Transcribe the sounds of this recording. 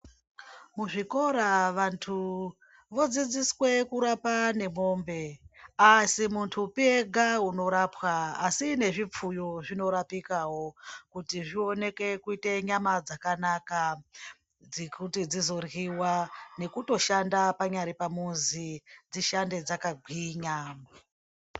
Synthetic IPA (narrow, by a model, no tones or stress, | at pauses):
muʐiko̞ɾaʋantʰu | ʋo̞d͡zid͡ziswe̞kuɾapane̞mo̞mbe̞asimuntʰupieɡʱauno̞ɾapwaːsine̞ʐip͡fujo̞ʐino̞ɾapikaɦo̞kutiʐio̞ne̞ke̞kuite̞ɲamad͡zakanaka | d͡zkutid͡zizo̞rɣiwane̞kuto̞ʃandapaɲaɾipamunzid͡ziʃande̞d͡zakaɡʱiːɲa